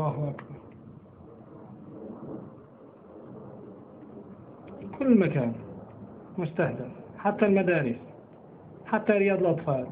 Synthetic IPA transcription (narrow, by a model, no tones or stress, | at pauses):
ɑhʔakbɑɾˤ | kʰʊlːmækæn | mʊst̪aħd̪əfħat̪ːælmæd̪æɾəs | ħat̪ːæɾəjɑd̪ˤlʔɑt̪ˤfɑl